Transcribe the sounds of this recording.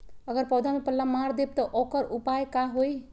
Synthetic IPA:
əɡəɾpɔd̪ʱamepəlːamaɾd̪eb̚t̪ɔʔokəɾupajkaɦoj

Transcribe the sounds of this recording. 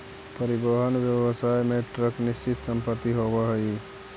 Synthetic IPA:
pəɾibəɦənʋjəʋəsaːjmeʈɾəknɪst͡ʃɪt̪səmpət̪ːiɦobəɦəi

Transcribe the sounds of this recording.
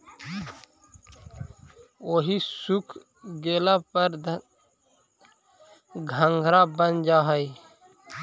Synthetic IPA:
oːɦisʊkʰ | ɡeːlapəɾ | ɡʱə̃ŋɡʱɾabənd͡ʒaːɦəj

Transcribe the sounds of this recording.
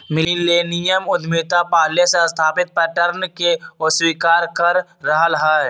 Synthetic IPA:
mɪlileːnijəmʊd̪miːt̪apaːlesest̪ʰaːpɪt̪̚pɛʈəɾnkeoswiːkaːɾkəɾːəɦəlɦɛː

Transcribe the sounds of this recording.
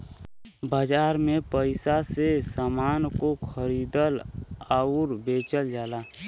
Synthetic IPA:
baːd͡ʒaːɾmẽpəɪsasesaːmaːnkokʰəɾiːd̪əlaːʊɾbeːt͡ʃəld͡ʒaːlaː

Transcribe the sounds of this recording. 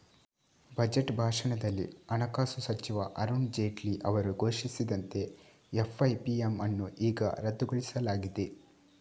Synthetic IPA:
bɐd͡ʒeʈbʱaːʂɐɳɐd̪ɐlːḭɐnɐkaːsusɐt͡ʃiʋɐʔɐɾund͡ʒeːʈliʔɐʋɐɾuɡʱo̞ːʃisid̪ɐnt̪e̞ | efʰɐjpiemɐnːuʔiːɡɐ̰ɾɐd̪uɡoɭisɐlaːɡid̪e

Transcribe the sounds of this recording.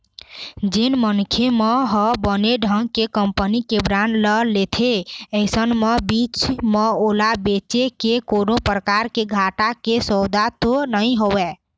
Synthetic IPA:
d͡ʒinmənkʰemeɦɔbəneɖʱəŋɡkekəmpənikebɾanləlet̪ʰeəɪsənmebit͡ʃmeolabet͡ʃekekonopɾəkaɾkeɡʱaʈakesəd̪ʱat̪onəɪɦowɛ

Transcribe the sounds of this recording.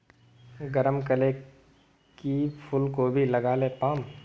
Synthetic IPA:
ɡəɾəmkəle | kipʰʊlkobʱilɐɡaːlepaːm

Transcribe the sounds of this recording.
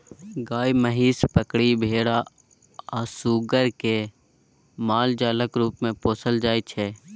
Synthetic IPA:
ɡaːjməɦiːspəkɽibʱeːɽa | ɔːsuːɡəɾke | maːld͡ʒaːləkɾuːpmẽpoːsəld͡ʒaːit͡ʃʰɛː

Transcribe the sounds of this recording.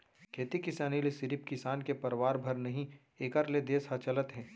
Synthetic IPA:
kʰeːt̪ikɪsaːnilesɪɾɪpkɪsaːnkepɐɾʋaːɾbʱɐɾnɐɦĩ | eːkəɾled̪eːsɦɐt͡ʃɐlət̪ɦɛ̃ː

